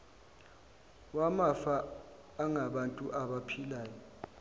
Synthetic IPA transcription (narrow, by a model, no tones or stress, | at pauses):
wamafaː | ŋaɓantʼuʔaɓapʰilaːjɔ